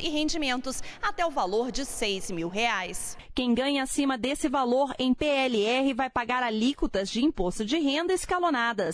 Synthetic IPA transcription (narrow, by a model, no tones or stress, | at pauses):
ɪɦẽnd͡ʒimẽnt̪ʊsat̪ɛʊvaloɾd͡ʒɪsejzmiwɦeajskẽj̃ɡɐ̃ɲɐasĩmɐd̪esɪvaloɾẽj̃peɛliɛɦɪvajpaɡaɾalikut̪ɐzd͡ʒɪĩpost̪ʊd͡ʒɪɦẽnd̪ɐɪskalonad̪ɐs